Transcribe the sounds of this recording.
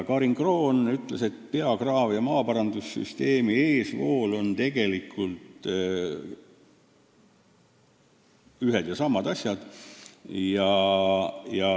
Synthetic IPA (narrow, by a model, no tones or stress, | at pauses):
kɑːɾiŋkro̞ːnyt̪ːˑle̞se̞t̪pe̞ɑkrɑːvjɑmɑːpɑɾɑnd̪̥usːy̰st̪e̞ːmieːsvo̞ːlo̞nt̪e̞ɡ̥e̞likʰːult̪ˑ | yɦed̪̥jɑsɑmːɑd̪ɑsjɑd̪̥ | jɑ | jɑ